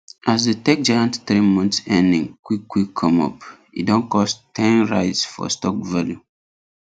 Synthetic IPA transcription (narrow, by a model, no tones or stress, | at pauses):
as̬detek̚d͡ʒajãntθɾimɔ̃nθsɛ̃ndḭ̃ŋkwikːwikʰːɔ̃mɔ̰p | ḭdõnkɔstʰɛ̃nɹa̰ɪtsfɔ̰stɔk̚valju